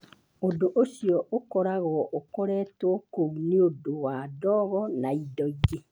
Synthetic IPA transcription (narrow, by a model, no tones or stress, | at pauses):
odoʔoʃijɔʔokɔɾaɣɔʔokɔɾɛːtwɔkouneodowadɔɣɔnaidɔiɣe